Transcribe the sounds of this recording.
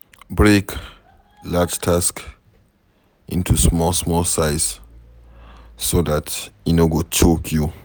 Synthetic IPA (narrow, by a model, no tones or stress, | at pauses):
bɹek | lad͡ʒtʰask | ʔḭ̃ntʰusmɔlsmɔlsaɪs | sodatinoɡot͡ʃokʰju